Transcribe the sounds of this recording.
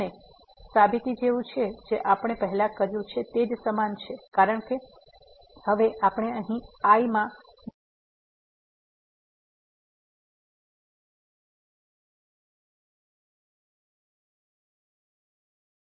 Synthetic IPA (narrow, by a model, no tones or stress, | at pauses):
e | sabit̪id͡ʒeʋũt͡ʃʰed͡ʒeʔapəɽ̃epəɦlakəɾjũt͡ʃʰet̪ed͡ʒsəmant͡ʃʰekaɾəɳ̃ke | həʋeʔapəɽ̃eəɦĩaimã